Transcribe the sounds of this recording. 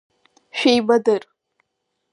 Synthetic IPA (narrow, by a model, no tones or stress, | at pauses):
ʃᶣejbadɨr